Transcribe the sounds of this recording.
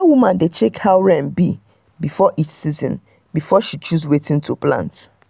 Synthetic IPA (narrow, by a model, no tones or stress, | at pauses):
awumãndet͡ʃekhaʊɹɛ̃nbi | bifɔʔitsizɔ̰̃n | bifɔʃit͡ʃuzwetĩntʰuplã̰nt